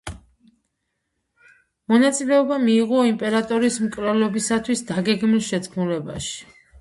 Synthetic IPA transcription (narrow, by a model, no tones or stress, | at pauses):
mɔnat̪sʼilɛɔbamiːʁɔimpʼɛɾat̪ʼɔɾismkʼlɛlɔbisat̪ʰwisd̪aɡɛɡmilˠʃɛt̪sʰkʰmulɛba̰ʃi̥